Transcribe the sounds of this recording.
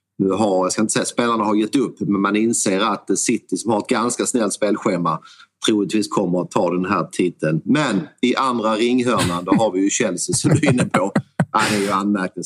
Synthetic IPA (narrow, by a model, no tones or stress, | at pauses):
nʉ̟ːɦaɾjɑskaɪnt̪ə̥sɛjaspeːlaɳaɦaɾjɛt̪ːɵpːmɛnmanɪnseːɾat̪̚d̪ɛsɪt̪ːəʂɔmhaɾɛt̪̚ɡanskasnɛlt̪speːlɧeːmːat̪ʰɾuːlɪt̪viːskʰɔmːəɾɔt̪ʰːɑːd̪ɛnɦæːt̪ʰiːt̪ʰːənmɛnɪʔand̪ɾaɾɪŋːɦœːland̪ɔɦaɾvɪjɵɕɛlsɪsɔmd̪ɵɪnːəpʰoʔæɪd̪ɛæɾjɵanːmæɾk̚nɪ